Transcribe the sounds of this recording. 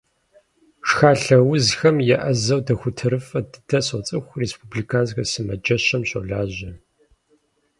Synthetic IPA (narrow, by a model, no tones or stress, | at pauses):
ʂxaːɬɐwʊzxɐmjɛʔɐzɐwtʰɐxʷʊtʰɨɾɨfʼɐdɨtʰɐsɐt͡sʼɨxʷreːspubliːkʰaːnzxɐsɨmɐd͡ʒɐɕɐmɕo̰ɮaːʑɐ